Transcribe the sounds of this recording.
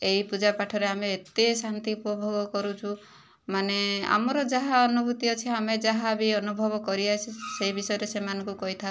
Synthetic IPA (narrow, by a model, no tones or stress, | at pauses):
eɦipud͡ʒapaʈʰɔɾeameːt̪esant̪iupɔbʱɔɡɔkɔɾut͡ʃʰu | manea̰mɔɾɔd͡ʒaɦaɔnubʱut̪iɔt͡ʃʰiamed͡ʒaɦabiɔnubʱɔbɔkɔɾiat͡ʃʰiseɦibisɔjɔɾesemanɔŋkukɔɦit̪ʰa